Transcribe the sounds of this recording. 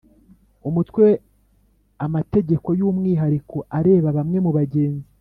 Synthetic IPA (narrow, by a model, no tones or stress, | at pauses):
umutwe̞ | amate̞ɟe̞ko̞juːmŋiːɦaɾikʰo̞ʔaɾe̞ːβaβamŋe̞muβaɟe̞ːnzi